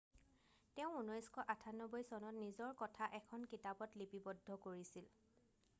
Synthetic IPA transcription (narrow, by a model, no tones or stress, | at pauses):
tɛʊ̃unɔjskʰɔʔatʰanɔbɔjsɔnɔtnizɔɹkɔtʰaʔɛkʰɔnkitabɔtlipibɔdʱːɔkoɹisil